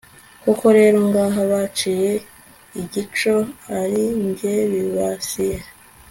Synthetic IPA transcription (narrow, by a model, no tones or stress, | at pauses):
kuko̞ɾe̞ːɾo̞ŋɡaːɦaβat͡ʃije̞ | iɟit͡ʃo̞aɾiɲɡeβiβasije